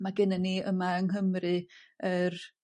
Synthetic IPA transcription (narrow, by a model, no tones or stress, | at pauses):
maɡɪnɛniə̰maəŋɦəmrɨər